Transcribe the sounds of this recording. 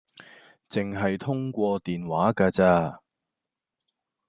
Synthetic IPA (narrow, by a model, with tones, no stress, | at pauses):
t͡sɪ˨ŋɦɐ˨jt̪ʰʊ˥ŋkʷɔː˧t̪iː˨nwaː˨˥kaː˧t͡saː˧